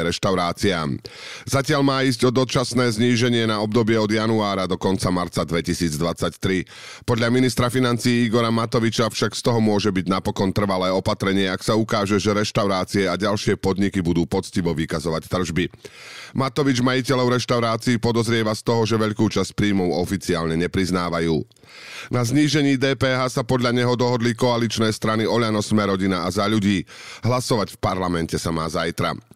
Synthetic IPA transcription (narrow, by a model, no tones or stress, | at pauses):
ɾɛʃt̪aʊɾaːt͡siaːm | z̥acɪaʎmaːizɟɔd̪ɔt͡ʃasnɛːzɲiːʒɛɲɪɛnaɔbd̪ɔbɪɛɔd̪januaːɾad̪ɔkɔnt͡samaɾt͡sad̪ʋɛcisiːd͡zd̪ʋat͡sact̪ɾi | pɔd̪ʎaminist̪ɾafinant͡siːiɡɔɾamat̪ɔʋit͡ʃafʃakst̪ɔɦɔmʊɔʒɛbiɟnapɔkɔnt̪r̩ʋalɛːɔpat̪ɾɛɲɪɛaksaukaːʒɛʒɛɾɛʃt̪aʊɾaːt͡siɛaɟalʃɪɛpɔd̪ɲikibud̪uːpɔt͡sciʋɔʋikazɔʋact̪r̩ʒbimat̪ɔʋid͡ʒmajicɛʎɔʊɾɛʃt̪aʊɾaːt͡siːpɔd̪ɔzɾɪɛʋast̪ɔɦɔʒɛʋɛʎkuːt͡ʃascpɾiːmɔʊɔfit͡siaːlɲɛɲɛpɾiznaːʋajuː | nazɲiːʒɛɲiːd̪ɛːpɛːɦaːsapɔd̪ʎaɲɛɦɔd̪ɔɦɔd̪likɔalit͡ʃnɛːst̪ɾaniɔʎanɔsmɛɾɔɟinaazaʎuɟiːɦlasɔʋacfpaɾlamɛncɛsamaːzajt̪ɾa̰